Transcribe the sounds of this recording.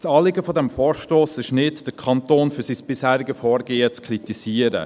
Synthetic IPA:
t͡sɑːlɪɡəfɔdɛmfɔːɾʃtoːsɪʃnɪtd̥əkʰɑntoːnfyɾsisb̥ɪshæːɾɪɡəfɔːɾɡeːət͡skʰɾitisiːəɾə̰

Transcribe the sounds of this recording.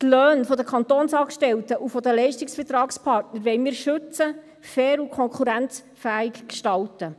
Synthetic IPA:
t̪lœːnfɔd̪əkʰɑnt̪onsɑːkʃtɛltəʔufɔd̪əlɛɪʃtiksfətɾɑːkspʰɑɾtnəɾʋɛɪmiːɾʃʏt͡sə | fɛːɾukʰɔŋkχuɾænt͡s | fæːikkʃtɑltə

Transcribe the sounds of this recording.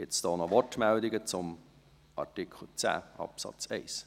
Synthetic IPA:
ɡ̥ɪtsd̥ɔːnɔvɔɹtmɛldɪɡət͡sʊm | ʔɑ̰ɹtikʰl̩t͡sæ̰ːʔɑ̰psɑ̰t͡seɪs

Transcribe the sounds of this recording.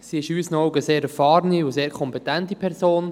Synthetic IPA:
siɪʃyːsnɔʊɡəseːɾɛfɑːɾəniʊseːɾkʰɔmpetɛntipʰɛɾzoːn

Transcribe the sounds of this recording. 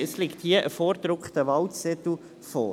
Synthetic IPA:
əslɪkthiəʔəfɔːɾd̪ɾʊkχt̪əʋɑltsɛt̪l̩ | fɔ̰ː

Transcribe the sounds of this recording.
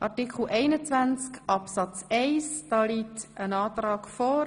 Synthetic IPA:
ʔɑɾtikχl̩ʔɛɪnət͡sʋænt͡skʔɑpsɑt͡sɛɪsd̥ɑːliːtənɑːtɾɑːkfɔː

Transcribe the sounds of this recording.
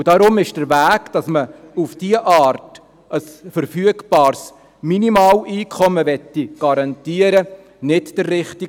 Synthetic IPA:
ud̥ɑɾʊmɪʃd̥əɾvæːɡd̥ɑsməufd̥iːəʔɑːɾt | əsfəɾfyəɡb̥ɑːɾs | minimɑːwiːkʰɔməʋɛtːiɡ̥ɑɾɑntiːəɾə | nɪtd̥ərːɪχti

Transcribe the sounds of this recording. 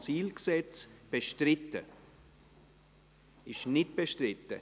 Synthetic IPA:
siːlɡsɛt͡sb̥eʃtrɪtə | ɪʃnɪt̚b̥eʃtrɪtə

